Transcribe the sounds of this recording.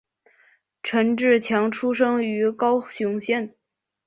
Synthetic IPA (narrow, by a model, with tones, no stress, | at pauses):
ʈ͡ʂʰə˧˥nʈ͡ʂɻ̩˥˩t͡ɕʰjɑ˧˥ŋʈ͡ʂʰu˥ʂ̬ɤ˥ŋy˧˥kɑ˥ʊɕu˧˥ŋɕjɛ˥˩n